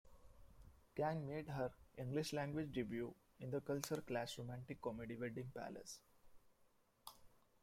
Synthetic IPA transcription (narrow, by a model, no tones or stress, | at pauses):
kæ̃ŋmeːɖɦəɾʔɪ̃ŋɡlɪʃlæ̃ŋɡʋɪd͡ʒɖɪʋjuː | ɪ̃nd̪əkʌlt͡ʃəɾklæːsɾomæ̃ɳʈɪkːɔmeɖiʋɛɖɪ̃ŋpæ̰lə̰s